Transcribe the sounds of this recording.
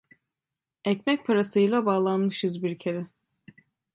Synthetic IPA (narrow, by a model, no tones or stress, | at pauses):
ɛcmɛc̚pʰaɾasɯjlˠabaːlˠanmɯʃɯzbiɾcʰeɾɛ